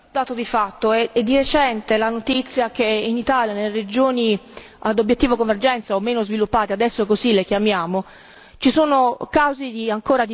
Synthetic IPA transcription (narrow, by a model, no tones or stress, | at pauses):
d̪aːt̪od̪ifat̪ːoɛɛd̪ːiɾet͡ʃɛnt̪elanot̪it̪sːjakeinit̪aːljanelːeɾed͡ʒoːni | ad̪objet̪ːiːvokoɱverd͡ʒɛnt̪saomːeːnozvilupːaːt̪ead̪ɛsːokozilekjamjaːmo | t͡ʃisoːnokawzid̪iaŋkoːɾad̪